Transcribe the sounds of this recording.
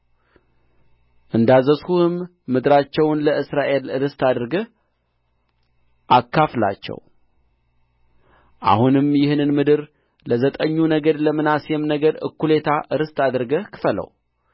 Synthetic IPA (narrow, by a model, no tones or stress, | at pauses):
ʔɨnd̪azəshuhɨmː | ɨd̪ɨɾat͡ʃːɛwnləʔɨsɾaʔe̞lɨɾɨst̪ad̪ɾɡə | ʔakʰːafla̰t͡ʃːɛ̰w | ʔa̰hunɨmjɪhɨnɨnmɨd̪ɨɾ | ləzət̪ʼəɲːunəɡəɾləmɨnasjemnəɡəɾɨ̰kʰːule̞t̪ʰaʔɨɾɨst̪ʰad̪ɾɡəkʰɨ̥fələ̰w